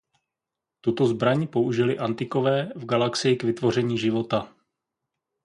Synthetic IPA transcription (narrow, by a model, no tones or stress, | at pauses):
t̪ut̪o̞zbɾaɲpo̞uʒɪlɪʔant̪ɪko̞vɛːvɡalaksɪjɪkvɪt̪vo̞r̝ɛɲiːʒɪvo̞t̪a